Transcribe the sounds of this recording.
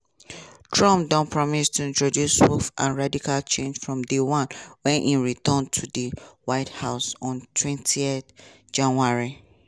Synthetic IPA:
tʰɹɔ̃mpdɔ̃npʰɹɔmistʰuĩntɹodjuswufʔã̰nɹadikalt͡ʃẽnd͡ʒfɹɔ̃mdewãnwɛ̃nʔĩɹitɔ̃ntʰudiwaɪthaʊsɔ̃ntʰwɛ̃ntʰiɛd | d͡ʒãnwaɹi

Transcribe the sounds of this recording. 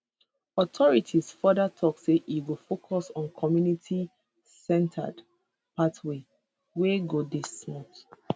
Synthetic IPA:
ɔtʰɔɹitʰisfɔdatʰɔkseʔiwilfokʰɔsɔ̃nkʰɔmjunitʰi | sɛ̃ntʰə̰d | patwe | weɡodismɔt

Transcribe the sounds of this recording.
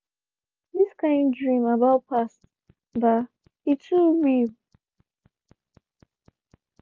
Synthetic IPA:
ðiskãɪ̃ndɹĩmabaʊt̚pʰast | ba | itʰuwil

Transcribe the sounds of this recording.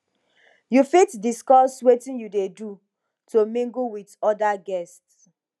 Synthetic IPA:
jufitdiskɔswetĩnjudedu | tʰomĩŋɡuwiðɔdaɡɛsts

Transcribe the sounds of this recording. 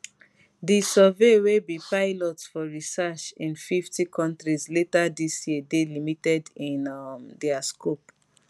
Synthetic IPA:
disəvewebipaɪlɔtfɔɹisɛt͡ʃĩnfiftikʰɔ̃ntɹizletadisjiədelimitɛdĩnmdɛaskop

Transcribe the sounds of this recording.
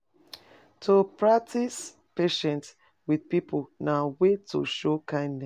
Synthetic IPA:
tʰopɹak̚tis | peʃɛ̃nt | widpiponawetʰo̰ʃokʰãɪ̃ndnɛ

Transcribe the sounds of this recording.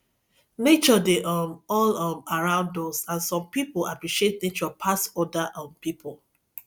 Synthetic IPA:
net͡ʃɔdeʔɔmɔlɔmaɹãʊ̃ndɔsãnsɔ̃mpipolapɹiʃiet̚net͡ʃɔpʰasɔdaʔɔ̃mpipʰol

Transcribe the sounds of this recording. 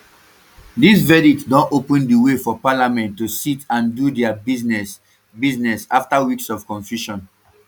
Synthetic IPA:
disvɛditdɔ̃nopə̃ndiwefɔpalamɛ̃ntːusitãndudɛainɛ | biznɛsaftawiksɔfkɔ̃nfjuʃɔ̃n

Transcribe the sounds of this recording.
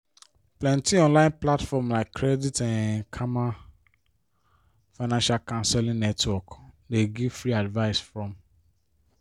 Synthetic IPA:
plɛ̃ntiɔ̃nlãɪ̃nplatfɔmlaɪkʰːɾɛditɛ̃nkʰama | faɪnãnʃalkãnsɛlĩnɛtʰwɔkdeɡivfɹiadvaɪsfɹɔ̃m

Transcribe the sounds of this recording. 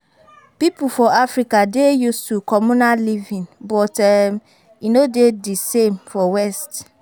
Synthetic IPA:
pipufɔafɾikadejustukʰɔmũnallivĩnbɔtɛm | inodedisẽmfɔwɛst

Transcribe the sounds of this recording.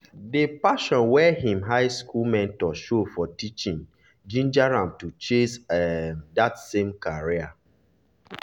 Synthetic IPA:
depaʃɔ̃nwɛɦĩmɦaɪskulmɛ̃ntɔʃofɔtit͡ʃĩn | d͡ʒĩnd͡ʒaɹãmtut͡ʃesɛdatsẽmkaɹia

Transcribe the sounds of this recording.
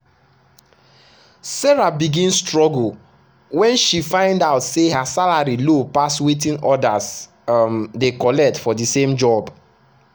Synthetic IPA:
sɛɹabiɡĩnstɹɔɡl̩ | wɛ̃nʃifãɪ̃ndaʊtsehasalaɹilopaswetĩnɔdas | dekɔlɛk̚tfɔdisẽmd͡ʒɔb

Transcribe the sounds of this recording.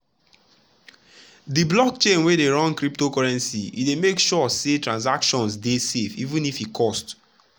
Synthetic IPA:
diblɔk̚t͡ʃẽnwedeɹɔ̃nkɹip̚tokɔɹɛ̃nsiḭdemekʃɔsetɹãns̬akʃɔ̃nsdesefivũnifikʰɔst

